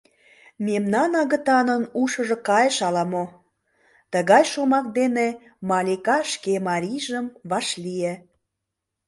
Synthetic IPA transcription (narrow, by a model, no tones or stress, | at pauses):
memnɑnɑɣət̪ɑnənuʃəʒokɑjəʃɑlɑmo | t̪əɣɑjʃomɑk̚d̪ene | mɑlʲikɑʃkemɑɾʲijʒəmβɑʃlie